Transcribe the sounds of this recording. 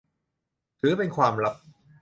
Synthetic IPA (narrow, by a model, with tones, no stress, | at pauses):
t̪ʰɯː˨˩˦pe˧nkʰwaː˧mɾa˦˥p̚